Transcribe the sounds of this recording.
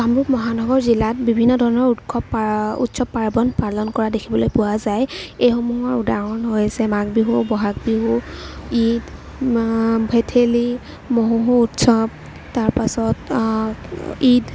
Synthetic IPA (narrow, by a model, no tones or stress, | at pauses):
amɹukmɔɦanɔɡɔɹzilat̚bibʱinːɔdʱɔɹɔnɔɹutkʰɔbṵtsɔbaɹbɔnpalɔnkɔɹadekʰibɔlojpuwazajejxɔmuɦɔɹudaɦɔnɦojasɛmakbiɦubɔɦak̚biɦuid | bʱetʰeli | moɦuɦuːtsɔb | taɹpasɔt | id